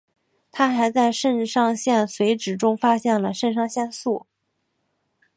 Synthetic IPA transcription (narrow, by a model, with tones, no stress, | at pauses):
t̪ʰa˥xa˧˥ɪt͡sa˥˧ɪʂə˥˧nʂɑ˥˧ŋɕjɛ˥˩nswe˧˥ɪʈ͡ʂɻ̩˨˩ʈ͡ʂʊ˥ŋfa˥ɕjɛ˥˩nlə˩ʂə˥˧nʂ̬ɑ˥˧ŋɕjɛ˥˧nsu˥˩